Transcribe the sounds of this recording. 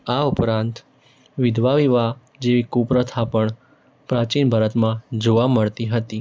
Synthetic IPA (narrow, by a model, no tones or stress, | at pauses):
aupɾãnt̪ | ʋɪd̪ʱʋaʋiʋa | d͡ʒeʋikupɾət̪ʰapəɳ | pɾat͡ʃinbʱəɾət̪mãd͡ʒoʋaməɭt̪iɦət̪i